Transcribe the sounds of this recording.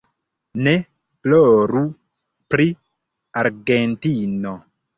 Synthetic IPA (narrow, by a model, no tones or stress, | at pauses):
ne | ploɾu | pɾi | aɾɡentino